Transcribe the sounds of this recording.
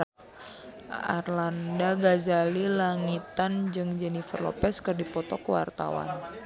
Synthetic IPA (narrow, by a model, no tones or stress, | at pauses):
a̰rlandaɡazalilaŋit̪and͡ʒɨŋd͡ʒɛnifərlɔ̰pɛskɨrdipɔt̪ɔkəwa̰rt̪a̰wa̰n